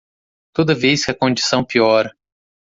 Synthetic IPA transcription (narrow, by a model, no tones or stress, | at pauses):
t̪od̪ɐvejskɪɐkõd͡ʒisɐ̃w̃piɔɾɐ